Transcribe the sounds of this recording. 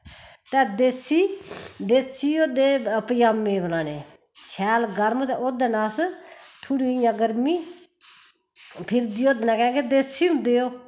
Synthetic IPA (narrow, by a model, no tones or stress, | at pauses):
t̪ɛ̃ːd̪eːsiːd̪eːsiːoːd̪eːəpəjaːmːẽːbəlaːneː | t͡ʃʰɛːlɡəɾmoːt̪ɛ̃ːʔoːd̪eːnaːst̪ʰuɽiːɪjãːɡəɾmiː | pʰɪɾd̪iːoːd̪nãːkɛ̃ːɡeːd̪eːsiːʊ̃nd̪eːoː